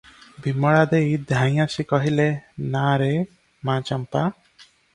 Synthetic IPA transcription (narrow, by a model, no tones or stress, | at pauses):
bimɔɽad̪ejd̪ʱãj̃asikɔɦilenaɾe | mãt͡ʃampa